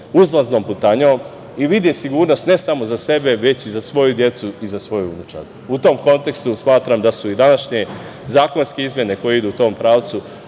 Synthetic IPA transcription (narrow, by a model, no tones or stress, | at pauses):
uzlaznoːmput̪aɲom | iʋid̪jesiɡuːɾno̞st̪ne̞samo̞zase̞be̞ʋe̞t͡ɕizasʋo̞jud̪je̞t̪suizasʋo̞juṵnut͡ʃa̰ɾ | ut̪o̞mko̞nt̪e̞kst̪usmaːt̪ɾamd̪asuid̪anaʃɲe̞ | zaːko̞nske̞izmje̞ne̞ko̞jeid̪uːt̪o̞ːmpɾaːʋt̪su